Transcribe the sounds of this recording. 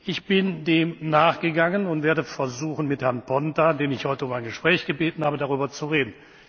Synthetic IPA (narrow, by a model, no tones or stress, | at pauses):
ʔɪçb̥ɪndeːmnaːχɡ̥əɡaŋənʊntv̥eːɐɾəfɛɐzuːxn̩mɪthɛɐnpʰɔntadeːnɪçhɔʏtəʊmaɪnɡəʃpʁ̥ɛːçɡ̥əbeːtn̩haːbədaʁyːbɐt͡suʁeːdn̩